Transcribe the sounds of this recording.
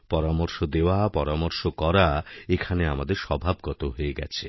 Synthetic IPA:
pɔɾamoɾʃod̪ewapɔɾamoɾʃokɔɾaekʰaneamad̪eɾʃɔbʱab̚ɡɔt̪oɦoeɡɛ̰t͡ɕʰe

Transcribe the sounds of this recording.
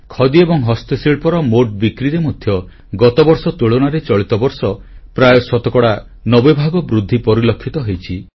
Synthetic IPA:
kʰɔd̪iebɔŋɦɔst̪esiɭpɔɾɔmoʈ̚bikɾiɾemɔd̪ʱjɔ | ɡɔt̪ɔbɔɾsɔt̪uɭɔɽ̃aɾet͡ʃɔɭit̪ɔbɔɾsɔpɾajɔsɔt̪ɔkɔɽa | nɔbebʱaɡɔbɾud̪ʱːipɔɾilɔkʰːit̪ɔɦejt͡ʃʰi

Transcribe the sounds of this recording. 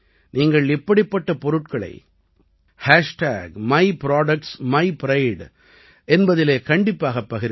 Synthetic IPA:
niːŋɡɐɭɪpːɐɽɪpːɐʈːɐpɔɾɯʈ̚kɐɭɐ̰ɪ | haːʂʈa̰ːɡmɐɪpɪɾaːɽɐk̚ʈsmɐɪpɪɾɐɪɖ | ʔɛnbɐðɪleːkɐɳɖɪpːaːɣɐpːɐɣɪɾ

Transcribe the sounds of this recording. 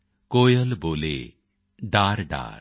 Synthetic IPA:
kojɔlbolḛ | ɖaɾɖa̰ɾ

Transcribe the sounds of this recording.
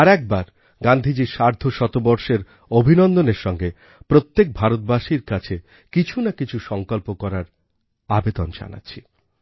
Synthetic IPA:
aɾɛk̚baɾ | ɡand̪ʱid͡ʑiɾʃaɾd̪ʱoʃɔt̪obɔɾʃeɾ | obʱinɔnd̪oneɾʃɔŋɡe | pɾot̪ːek̚bʱaɾot̪̚baʃiɾkat͡ɕʰe | kit͡ɕʰunakit͡ɕʰuʃɔŋkolpokɔɾaɾ | abed̪ond͡ʑa̰na̰tːɕʰi

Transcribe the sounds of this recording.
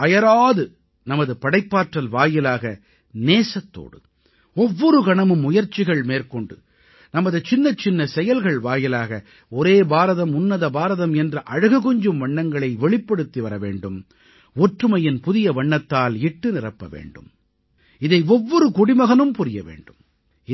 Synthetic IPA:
ɐjɐɾaːðɯ | nɐmɐðɯpɐɽɐɪpːaːʈrɐlʋaːjɪlaːɣɐ | neːsɐt̪ːo̰ːɽɯ̰ | ɔʋːɔɾɯkɐɳɐmɯmːʊjɐɾt͡ʃɪɣɐɭmeːrkɔɳɖɯ | nɐmɐðɯt͡ʃɪnːɐt͡ʃɪnːɐsɛjɐlɣɐɭʋaːjɪlaːɣɐ | ɔɾeːbaːɾɐðɐmʊnːɐðɐbaːɾɐðɐmɛndrɐʔɐɻɯɣɯɣɔɲd͡ʒɯmʋɐɳːɐŋɡɐɭɐɪʋɛɭɪpːɐɽɯt̪ːiʋɐɾɐʋḛːɳɖɯm | ɔʈrɯmɐjɪnpʊðɪjɐʋɐɳːɐt̪ːaːlɪʈːɯnɪrɐpːɐʋḛːɳɖɯ̰m | ɪðɐɪɔʋːɔɾɯkʊɽɪmɐɣɐnɯmpʊɾɪjɐ̰ʋḛːɳɖɯm

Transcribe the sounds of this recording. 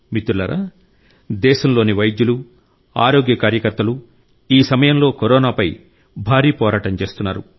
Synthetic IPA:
mit̪uɾlɐ̰ɾʔa̰ː | d̪ɛːʃɐmlo̞ːniʋɐjd̪julu | a̰ːɾo̞ːɡjɐkaːɾjɐkɐɾt̪ɐlu | iːsɐmɐjɐmlo̞ːkɔɾɔːnaːpɐj | bʱaːɾiːpɔːɾaːʈɐnt͡ʃe̞ːst̪unːa̰ːɾṵ

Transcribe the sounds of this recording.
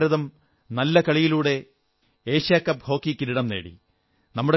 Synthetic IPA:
ɾɐðɐm | nɐlːɐkɐɭijiluːɽe̞ | eːɕjaːkːɐbʱho̞ːkːikiɾiɽɐmne̞ːɽḭ | nɐmːuɽe

